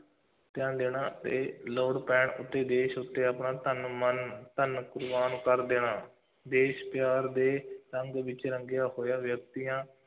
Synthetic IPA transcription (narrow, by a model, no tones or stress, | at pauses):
t̪ɪjãːnd̪eːnaːt̪ḛːloːɽpɛ̃ːɳʊ̰t̪ːeːd̪eːʃʊt̪ːeːəpɳaːt̪ənmənt̪ənkʊɾbaːnkəɾd̪eːnaː | d̪eːʃpjaːɾd̪eːɾəŋɡʋɪt͡ʃɾəŋɡjaːhoːjaːʋjək̚t̪ijãː